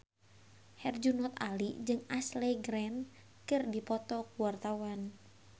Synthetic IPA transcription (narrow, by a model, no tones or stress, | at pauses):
hɛrd͡ʒunɔt̪a̰lid͡ʒɨŋaslɛɡɾɛn | kɨrdipɔt̪ɔkuwart̪awan